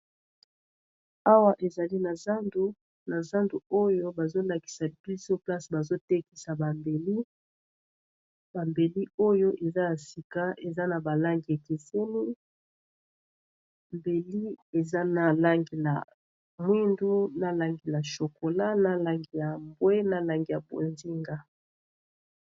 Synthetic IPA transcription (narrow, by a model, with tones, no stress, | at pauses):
a˦wa˦ʔe˨za˨li˦na˨za˦ndu˦ | na˨za˦ndu˨o˦jo˦ba˨zo˦la˨ki̥˨sa˨bi˦so˦pla˦sba˨zo˦tɛ˦ki˨sa˨ba˨mbe˨li˦ | ba˨mbe˨li˦o˦jo˦ʔe˨za˦ja˨si˨ka˦ʔe˨za˦na˨ba˨la˦ŋɡi˨e˨ki˨se˦ni˦ | mbe˨li˦e˨za˦na˨la˦ŋɡi˨la̰˨ | mwi˦ndu˦na˨la˨ŋɡi˨la˨ʃo˨ko˨la˦na˦la˦ŋɡi˨ja˨mbwe˦na˦la˨ŋɡi˨ja˨bo̰˨nzi˦ŋɡa˦